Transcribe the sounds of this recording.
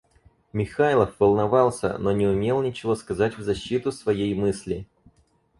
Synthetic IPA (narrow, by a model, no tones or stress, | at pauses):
mʲɪxajlˠəfvəlˠnɐvɑlˠsʲə̰no̞nʲɪʊmʲe̞lˠnʲɪt͡ɕɪvo̞skɐzatʲvzɐɕːit̪ʊsvɐjejmɨsʲlʲɪ